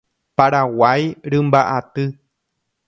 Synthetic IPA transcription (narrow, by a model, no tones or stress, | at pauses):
paɾawajɾɨ̃mbaʔat̪ɨ